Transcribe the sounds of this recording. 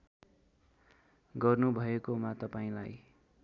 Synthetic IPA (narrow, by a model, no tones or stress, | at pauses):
ɡʌrnubʱʌekomat̪ʌpaĩlaj